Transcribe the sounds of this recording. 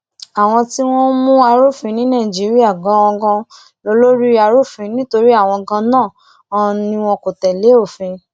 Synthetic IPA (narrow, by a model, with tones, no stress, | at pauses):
a˨w̃ɔ̃˧ti˦w̃ɔ̃˦mũ˦a˧ɾo˦˨fĩ˨˦nĩ˨˦nã˦˨d͡ʒi˨˦ɾi˦a˦˨ɡɔ̃˨˦ɔ˧ɡɔ̃˧ | lo˧lo˦ɾi˦a˧ɾo˦˨fĩ˧˦nĩ˦to˧ɾi˦a˦˨w̃ɔ̃˧ɡã˧nãː˦˨ | ɔ̃˧nĩ˧˦w̃ɔ̃˧ko˨tɛ˨le˨˦o˦˨fĩ˧